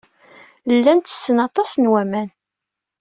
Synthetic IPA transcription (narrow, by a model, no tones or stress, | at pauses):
lːænt̪ə̥sːənɑt̪ˤɑsnwæmæn